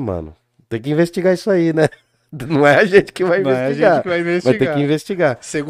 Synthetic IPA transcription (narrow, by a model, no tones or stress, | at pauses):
mɐ̰̃nʊ̰ | t̪ẽj̃kɪĩvest͡ʃiɡaisʊainɛ | nɐ̃w̃ɛaʒẽnt͡ʃɪ̥kɪvajĩvesɛt͡ʃiiʒɡ̃akɪvajĩvesmɐsiɡt̪ẽakkɪĩvest͡ʃiɡaseɡ